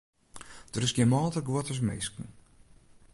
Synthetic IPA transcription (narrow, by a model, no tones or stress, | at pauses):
d̥əɾɪsɡjɛmɔːlˠtəɡwɔtəs̬mɪ̰skn̩